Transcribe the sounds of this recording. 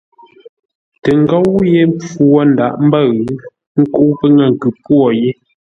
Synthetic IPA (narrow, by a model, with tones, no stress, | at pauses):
tə˨ŋ˨˦ɡɔ˦wje˦mp͡fu˨wɔ˦n̩˨da˨ʔm̩˦bə˦˨ɣ | ŋ̩˦ku˦pə˦ŋa˨ŋ˨ɡʉ˨pwɔ˨je˦